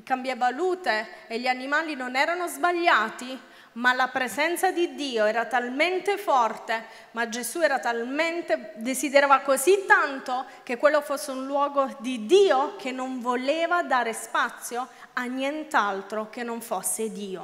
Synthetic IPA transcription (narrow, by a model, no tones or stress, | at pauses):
kambjavaluːt̪eːʎːianimaːlinonɛːɾanozbaʎːaːt̪i | malapɾezɛnt̪sad̪id̪iːoɛːɾat̪alment̪efɔrt̪e | mad͡ʒezuɛːɾat̪alment̪ed̪esid̪eɾaːvakozit̪ːant̪o | k̟ekːwelːofosːeunlwɔːɡod̪id̪iːok̟ʰenːoɱvoleːvad̪aːɾespat̪sːjo | anːjɛnt̪alt̪ɾok̟enːoɱfosːed̪iːo